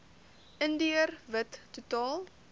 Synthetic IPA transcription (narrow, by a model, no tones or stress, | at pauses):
ʔəndiərvətːutɑːl